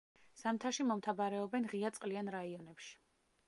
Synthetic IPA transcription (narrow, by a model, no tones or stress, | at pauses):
z̥amt̪ʰaʃimɔmt̪ʰabaɾɛɔbɛnʁiat̪sʼqʼlianɾaiɔnɛpʃi̥